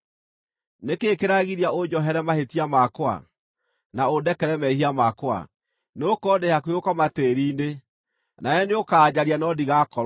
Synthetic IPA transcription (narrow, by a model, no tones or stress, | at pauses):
nekeːkeɾaɣiɾiaod͡ʒɔɦɛɾɛmahetiamakwa̰ | naodɛkɛɾɛmɛhiamakwa̰ | neokɔdehakweokɔmateɾiːne | naɛneokaːd͡ʑaɾianɔdiɣakɔɾ